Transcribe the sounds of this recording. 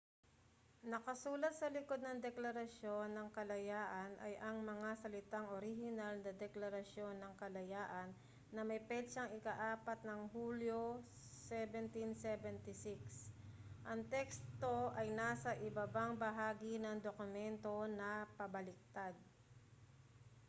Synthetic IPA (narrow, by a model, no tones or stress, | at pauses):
nɐkɐsuːlɐt̪̚sɐlɪko̞d̪̚nɐŋd̪ɛklɐɾɐʃjo̞nːɐŋkɐlɐjaːʔɐnʔɐ̰jʔɐŋmɐŋasɐlɪt̪aŋʔoɾihɪnalnɐd̪ɛklɐɾɐʃjo̞nːɐŋkɐlɐjaːʔɐnː | ɐmɐjpɛlt͡ʃɐŋɪkaʔaːpɐt̪̚nɐŋhuːljo | sɛvɛnt̪ɪnsɛvɛnt̪ɪsɪksʔɐŋt̪ɛkst̪o̞ʔɐjnaːsɐʔɪbɐbaŋbɐɦaːɡɪnɐŋd̪okʊmɛnt̪o̞nɐpɐbɐlɪk̚t̪ad̪̚